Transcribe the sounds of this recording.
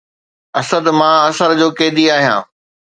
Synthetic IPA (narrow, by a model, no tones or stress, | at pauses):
ɐsəd̪mãːɐsəɾd͡ʑoːkeːd̪iaːɦijã̰ː